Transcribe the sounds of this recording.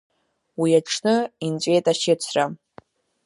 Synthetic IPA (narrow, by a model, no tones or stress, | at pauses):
wiaʈ͡ʂʰnɨint͡ɕʷʼe̞jtʼaʃɪt͡ɕʷʰra